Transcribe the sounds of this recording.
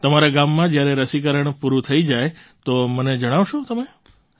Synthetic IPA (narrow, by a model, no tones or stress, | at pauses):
t̪əmaɾaɡamːãd͡ʒjaɾɛɾəsikəɾəɳ̃puɾut̪ʰəid͡ʒajt̪oməned͡ʒəɽ̃aʋʃot̪əme